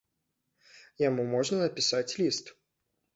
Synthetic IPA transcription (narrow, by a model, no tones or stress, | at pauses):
jamumɔʐnɐnɐpʲisat͡sʲlʲist̪